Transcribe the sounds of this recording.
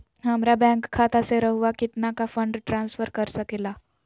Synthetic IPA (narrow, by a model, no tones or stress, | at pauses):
ɦɐmɾabɛ̃ːŋkʰːaːt̪aseɾɐɦuakɪt̪nakafɐ̃ɳɖʈɾãːnsfəɾkɐɾsɐkeːlaː